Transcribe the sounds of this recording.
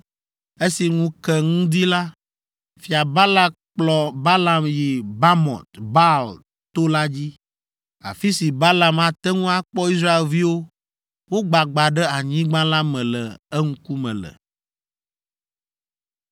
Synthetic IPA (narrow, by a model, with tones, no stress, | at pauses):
e˦si˨ŋũ˦kɛ˦ŋũ˦d̪i˦la˦ | fi˨a˨ba˦la˦ | k͡plɔ˨ba˦la˨mji˨ba˦mɔ̰̃˨t̪ba˦l | t̪o˦la˦d͡ʑi˦ | a̰˨fi˦si˨ba˦la˨ma˨t̪ɛ˦ŋũ˦a˨k͡pɔ˦i˦sɾa˦e˨lvi˦wo˦ | wo˦ɡ͡ba˨ɡ͡ba˨ɖɛ˦a˨ɲĩ˦ɡ͡bã˦la˦mɛ̃˨lɛ˨ɛ˦ŋ̩̃˦ku˦mɛ̰̃˨lɛ̰˨